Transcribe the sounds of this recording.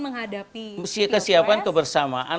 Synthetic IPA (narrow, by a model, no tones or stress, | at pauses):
məŋɦadapiskəsiapankəbərsamaʔa